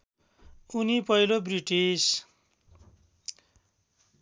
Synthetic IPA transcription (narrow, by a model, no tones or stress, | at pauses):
unipʌjlobriʈis